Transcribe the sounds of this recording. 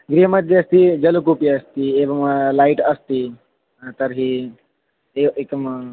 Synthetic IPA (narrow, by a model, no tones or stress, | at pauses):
ɡɾiəməd̪eɐst̪id͡ʒɐlukupiɐst̪ieʋɐmlaːiʈɐst̪i | t̪ɐɾɦi | eekm